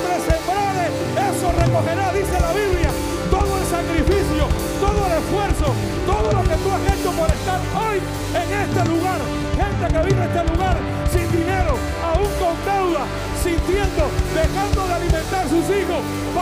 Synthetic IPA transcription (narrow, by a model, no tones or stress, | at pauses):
ɾesembɾaɾe | eso̞re̞ko̞xe̞ɾaðise̞laβiβlja | t̪o̞ðoelsakɾifisjo | t̪o̞ðoelesfwe̞ɾso | t̪o̞ðoloket̪uaxet͡ʃopoɾe̞st̪aɾo̞j | eŋe̞st̪e̞luɣaɾ | xe̞nt̪e̞ke̞βiβeest̪eluɣaɾ | sind̪ine̞ɾo̞ | auŋko̞nd̪e̞wða | sint̪je̞nd̪od̪exand̪o̞ðealimẽnt̪aɾsusixo̞s | p